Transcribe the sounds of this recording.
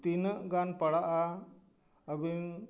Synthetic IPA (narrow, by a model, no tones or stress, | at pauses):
t̪inəʔɡanpəɽaʔa | əbin